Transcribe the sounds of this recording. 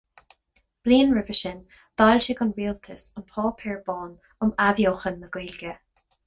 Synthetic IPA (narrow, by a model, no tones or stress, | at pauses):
b̥liːnɹɪvəʃɪn | d̪̥ajlʃɪɡʊnɹiːlt̪ʰəsʊnpʰɔːpʰɪɹbɔːn | ʊmavjoːxənːəɡ̥wiːlɡə